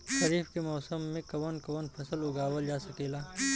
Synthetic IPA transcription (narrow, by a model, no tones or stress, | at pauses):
ʃɐɾiːfkemɔːsəmːẽkɐʋənkɐʋənpʰɐsəlʊɡaːwəld͡ʒaːsɐkeːlaː